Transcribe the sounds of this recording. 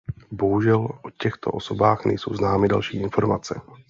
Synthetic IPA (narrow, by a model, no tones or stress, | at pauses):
bo̞ɦuʒɛlʔocɛxt̪o̞̰ʔoso̞baːxnɛ̰jso̰wznaːmɪda̰lʃiːʔɪnfo̞ɾmat͡sɛ